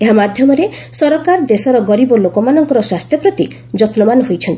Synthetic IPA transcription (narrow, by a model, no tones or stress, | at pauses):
eɦamad̪ʱjɔmɔɾe | sɔɾɔkaɾd̪esɔɾɔɡɔɾibɔlokɔmanɔŋkɔɾɔswast̪ʰjɔpɾɔt̪i | d͡ʒɔt̪lɔmanɔɦojt͡ʃʰɔnt̪i